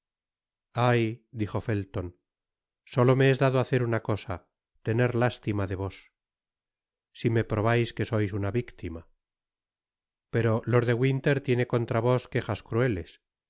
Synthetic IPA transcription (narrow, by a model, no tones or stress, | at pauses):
ajd̪iχo̞fe̞lt̪o̞n | so̞lo̞meezðaðoaθe̞ɾunako̞sa | t̪e̞ne̞ɾlast̪imaðe̞β̞o̞s | sime̞pɾo̞βajske̞so̞jsunaβikt̪ima | pe̞ɾo̞lo̞ɾðe̞ɣwint̪e̞ɾt̪je̞ne̞ko̞nt̪ɾaβ̞o̞ske̞χaskɾue̞le̞s